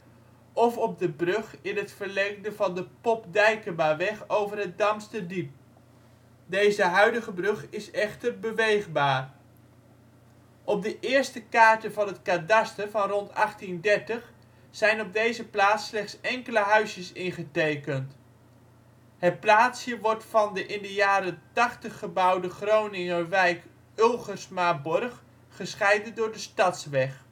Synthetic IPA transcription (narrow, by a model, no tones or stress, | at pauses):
ɔfɔb̚dəbrɵχɪnɦətfəɹlɛŋk̚dəvɑndəpɔpdɛjkəmaːɹʋɛχowvərɦət̚dɑmstədip̚ | dejzəɦœɥdəχəbrɵχɪsɛχtəɹbəʋejχbaːr | ɔb̚dəʔɪːɹstəkaːɹtəvɑnɦətkaːdɑstəvɑnrɔntɑχtindɛɹtəχ | zɛjnɔb̚dejzəplaːtslɛχtsɛŋkələɦœɥsjəsɪnχətejkənt | ɦət̚plaːtshjəʋɔɹtfɑndəʔɪndəjaːɾəntɑχtəχːəbɑwdəχrownɪŋəʋɛjk | ølˠχəɹsmaːbɔrχ | χəsχɛjdəndʊːɹdəstɑtsʋɛχ